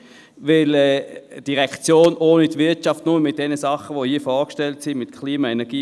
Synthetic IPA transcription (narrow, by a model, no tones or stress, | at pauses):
ʋɪlɛːd̥iʁɛkt͡sjoːnʔoːnitʋɪɐtt͡ʃɑftnʊməmɪt̚d̥ɛnəsɑχəʋohiːəfɔːkʃtɛltsɪmɪtkʰliːmɑenɛɐɡ̥iː